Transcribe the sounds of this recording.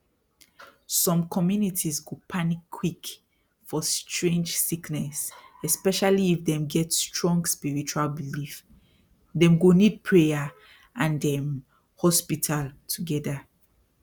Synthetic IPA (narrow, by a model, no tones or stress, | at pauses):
sɔ̃mkʰɔmjunitʰizɡopʰanikʰːwik | fɔstʰɹẽnd͡ʒsiknɛsɛspɛʃaliːfdɛ̃mɡɛtstʰɹɔ̃ŋɡspiɹit͡ʃualbilif | dɛ̃mɡonid̚pʰɹeja | ʔãndɛ̃m | hɔspitʰaltʰuɡɛda